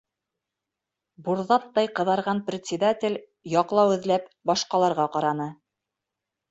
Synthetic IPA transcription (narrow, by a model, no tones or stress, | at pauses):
buɾðɑt̪ːɑjqɤ̆ðɑɾʁɑnprʲɪt̪ʲsʲɪd̪atʲɪlʲ | jɑqlˠɑwɘ̆ðlæpbɑʃqɑlˠɑɾʁɑqɑɾɑnɤ